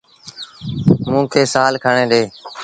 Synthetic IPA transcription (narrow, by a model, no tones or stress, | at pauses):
mũːkʰeːsaːlkʰəɳẽːɗeː